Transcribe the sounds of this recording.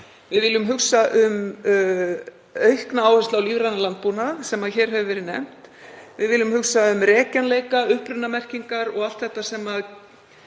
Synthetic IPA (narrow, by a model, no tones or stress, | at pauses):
vɪðvɪlːʏmɦʏksaʔʏm | œɥhknaaːwhɛst̪lawliːvɾanalant̪̚punasɛmaðçɛːɾ̥ɦɛvʏvɛɾɪðnɛ̰m̥t̪vɪðvɪlʏmhʏksaʏmɾɛːcanleːjkaʏhpɾʏnːamɛr̥ciŋkaɾɔɣal̥t̪θɛht̪ːasɛmað